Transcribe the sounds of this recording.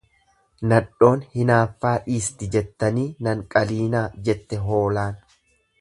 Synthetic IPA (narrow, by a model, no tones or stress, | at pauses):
nɐᶑo̞ːnhɪnaːfːaːʔiːst̪ɪd͡ʒɛt̪ːɐniːnɐŋkʼɐliːnaːd͡ʒɛt̪ːɛɦo̞ːlaːn